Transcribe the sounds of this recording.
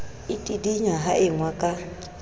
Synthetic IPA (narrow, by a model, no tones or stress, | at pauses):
ɪtʼidiɲaɦaʔɪŋwakʼa